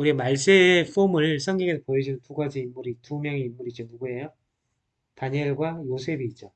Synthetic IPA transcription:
uɾiemaɭs͈eɸʰumɯɭsʰʌŋɡjʌŋesʰʌpojed͡ʑinɯntuɡad͡ʑiːmːuɾitumjʌŋiimːuɾid͡ʑonuɡue̞jo | taɲeɭɡwajosʰe̞biːt̚t͡ɕ͈o

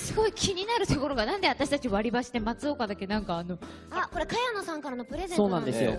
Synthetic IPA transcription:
sɨɡo̞ikʲiɲ̟inaɾɯ̟t̪o̞ko̞ɾo̞ɡanãnd̪e̞at̪aɕi̥t̪at͡ɕioβaɾʲibaɕi̥t̪emat͡sɨo̞kad̪ake̞nãŋkaːno̞ | ko̞ɾe̞kajanosãŋkaɾano̞pɯ̟ɾe̞zeso̞ːnãd̪esɨjo̰

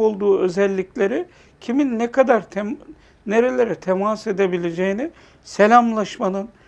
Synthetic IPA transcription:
o̞lˠd̪uːø̞zɛlʲːiclʲe̞ɾi | cʰiminːɛkʰad̪aɾt̪ʰ | ne̞ɾe̞lʲe̞ɾɛt̪ʰemase̞d̪e̞bilʲe̞d͡ʒejini | se̞lʲamlˠaʃmanɯn

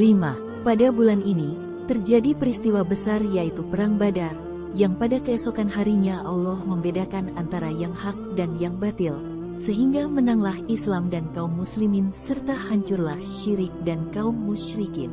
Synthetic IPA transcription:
lima | padabulanini | t̪ərd͡ʒadipəɾist̪iwabəsarjait̪upəɾaŋbadar | jaŋpadakəɛsokanɦaɾiɲaʔalɔhməmbedakanant̪aɾajaŋhak̚danjaŋbat̪ɪl | səɦiŋɡamənaŋlahislamdankaumːuslimɪnsərt̪ahaɲt͡ʃʊrlahʃiɾɪk̚dankaumːuʃɾikɪn

